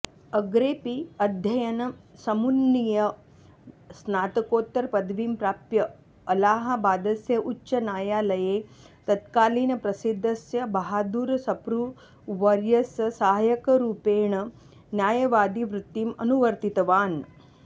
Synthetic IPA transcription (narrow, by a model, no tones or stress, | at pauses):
ɐɡɾeːpiɐd̪ʱjɐjɐnɐsɐmunːijɐ | snaːt̪ɐkoːt̪ːɐɾpɐd̪ʋiːmpɾaːpjɐ | ɐlaːɦɐ̆baːd̪ɐsjɐʔut͡ʃːʃɐnaːjaːlɐjeː | t̪ɐt̪kaːliːnɐpɾɐsid̪ʱːɐsjɐbɐɦaːd̪uːɾɐsɐpɾu | ʋɐɾjɐssaɦjɐkɐɾuːpeːɳɐ | njaːjɐʋaːd̪iʋɾut̪ːimɐnuʋɐɾt̪it̪ɐʋaːn